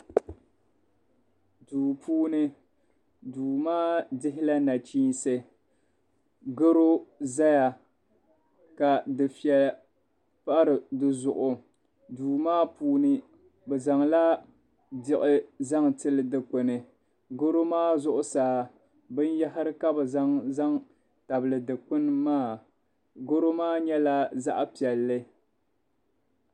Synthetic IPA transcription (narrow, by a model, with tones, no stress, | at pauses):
duː˨pʰuː˦nɨ˦ | duː˨maː˦dɪ˦ɦɪ˦la˦na˨t͡ʃiː˦nsɨ˦ | ɡɨ˦ɾo˦za˦ja˨ | ka˨dɨ˨fi˨ɛ˨l | pa˦ɾɨ˨dɨ˦zʊ˨ʔʊ˨ | duː˨maː˦puː˦nɨ˦ | bɛ˨za˨ŋla˦ | dɪ˨ʔɪ˦za˦ŋtɨ˦lɨ˨dɨ˨k͡pʊ˨nɨ˨ | ɡo˦ɾo˦maː˦zʊ˦ʔʊ˦saː˨ | bɨ˦n˦ja˦ɦɪ˦ɾɨ˦ka˦bɨ˨za˦ŋza˦ŋ | ta˨bɨ˨lɨ˨dɨ˨k͡pʊ˦n˦maː˦˨ | ɡo˦ɾo˦maː˦ɲɛ˦la˦za̰˦ʔpi˨ɛ˨lːɨ˦